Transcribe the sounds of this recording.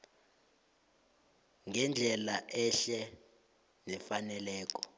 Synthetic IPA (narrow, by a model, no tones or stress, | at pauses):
ŋɛnd͡ɮʱɛlaʔɛʃɛ | nɛfanɛlɛːk̬ʼɔ̥